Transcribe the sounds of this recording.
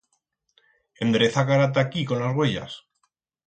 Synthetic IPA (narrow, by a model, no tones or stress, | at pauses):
ẽ̞nd̪ɾeθakaɾat̪̬akiko̞nlazɣwe̞ʎa̰s